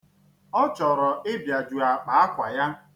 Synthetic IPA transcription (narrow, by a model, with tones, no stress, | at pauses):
ɔ˦t͡ʃɔ˨ɾɔ˨ʔɪ˦bja˨d͡ʒu˨a˨k͡pa˨a˦kʷa̰˨ja˦